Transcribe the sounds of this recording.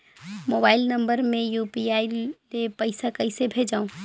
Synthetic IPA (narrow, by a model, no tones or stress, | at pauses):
moːbaːɪlnɐ̃mbəɾmẽjuːpiaːilepɐɪsakɐɪsebʱeːd͡ʒaːõː